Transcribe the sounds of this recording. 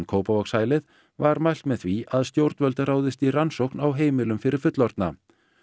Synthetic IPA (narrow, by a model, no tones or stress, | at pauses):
nkʰoːwpavɔksaːjlɪð | vaɾmajl̥t̪mɛðθviaðst̪jowɾt̪nvœlt̪aɾaːwðɪst̪iransowknawɦeːjmɪlʏmfɪɾɪɾ̥fʏt̪lɔɾt̪na